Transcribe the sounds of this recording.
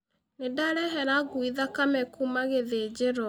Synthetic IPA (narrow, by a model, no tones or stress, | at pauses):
nedaɾɛɦɛɾaɣwiðakamɛkumaɣeðed͡ʑeɾɔ